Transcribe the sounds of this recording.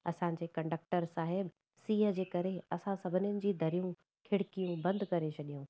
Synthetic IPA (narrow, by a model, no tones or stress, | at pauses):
ɐsã̆ːd͡ʑeːkɐ̃ɳɖək̚ʈəɾsaːɦɪb | siːɦə̆d͡ʑeːkɐɾeɐsãsɐbʱɪnjənɪ̆d͡ʑiːd̪ʱɐɾijũ | kʰɪɽkijũbɐ̃nd̪ʱkɐɾet͡ɕʰɐɗijũ